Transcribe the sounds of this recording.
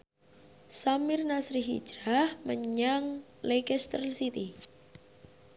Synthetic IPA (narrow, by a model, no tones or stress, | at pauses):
samɪrnasɾiɦḭ̥d͡ʒ̥ɾahməɲaŋlekɛst̪rsit̪i